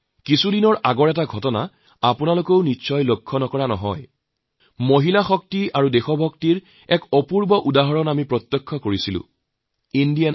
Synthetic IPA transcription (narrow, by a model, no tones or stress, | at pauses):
kisudinɔɹʔaɡɔɹɛtaɡʱɔtɔna̰ | apʊnalokoʊniʃɔjlokʰːɔnɔkɔɹanɔɦɔj | moɦilaxɔk̚tiaɹudexɔbʱɔktiɹ | ɛkɔpuɹbɔʔudaɦɔɹɔnamipɹɔt̪jɔkʰːɔkoɹisilʊ̰̃ | indian